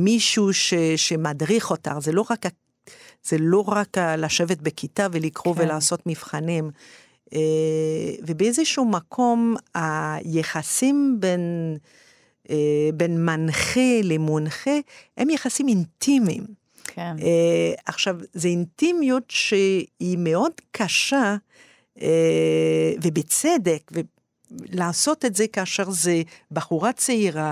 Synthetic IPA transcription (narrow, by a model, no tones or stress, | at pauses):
miʃuʃeʃemadʁiχo̞taʁzelo̞ʁaka | z̥elo̞ʁakalaʃevet̚bekitavelikʁovelaːso̞tmifχanim | e | vebeezeʃumakʰo̞majeχasimben | benmanχelemonχehemjeχasimint̪ʰimḭm | aχʃavzeint̪imjutʃeimeo̞dkʰaʃa | vebet͡sed̪ekve | laːso̞tetzekaʃeʁzebaχuʁat͡seiʁa